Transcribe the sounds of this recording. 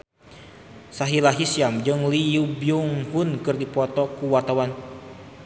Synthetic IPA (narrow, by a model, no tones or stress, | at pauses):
saɦilaɦisiamd͡ʒɨŋlijubiuŋhunkɨrdipɔt̪ɔkuwart̪awan